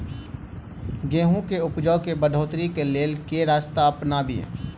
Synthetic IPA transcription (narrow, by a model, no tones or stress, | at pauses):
ɡẽːɦũkeʊpd͡ʒəʊkebəd̪ʱoːt̪ɾikeleːlkeɾaːst̪apnaːbʱḭ